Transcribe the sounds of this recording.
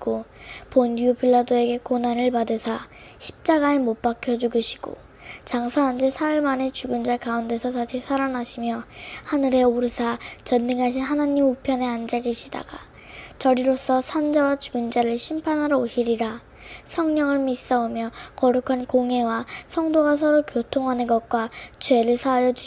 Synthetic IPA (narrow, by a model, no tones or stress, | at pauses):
ɡoponːiupʰiɭːadoe̞ɡe̞konanɯɭpadɯsʰa | ɕʰi̥p̚t͡ɕ͈aɡaemop͈akʰjʌd͡ʑuɡɯɕʰi̥ɡ̥o̰ | t͡ɕaŋsʰaɦand͡ʑesʰaɯɭmane̞t͡ɕuɡɯnd͡ʑakaunde̞sʰʌsʰaɕʰisʰaɾanaɕʰimjʌhanɯɾe̞oɾɯsʰat͡ɕʌnːɯŋɦaɕʰinɦanaɲimupʰjʌne̞and͡ʑaɡeɕʰida̰ɡa | ʌɾiɾos͈ʌsʰand͡ʑawat͡ɕuɡɯnd͡ʑaɾɯɭɕʰimpʰanɦaɾʌoɕʰiɾiɾa | sʰʌŋɲʌŋɯɭmis͈ʌomjʌkʌɾukʰankoŋɦe̞wasʰʌŋdoɡas̬ʰʌɾokjotʰoŋɦanɯnɡʌt̚k͈wat͡ɕwe̞ɾɯɭsʰajʌd͡ʑu